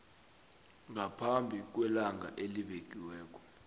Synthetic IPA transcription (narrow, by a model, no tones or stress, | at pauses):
ŋɡʱapʰambʱik̬wɛlaŋa̰ʔeliɓek̬ʼiwɛːk̬ʼɔ̥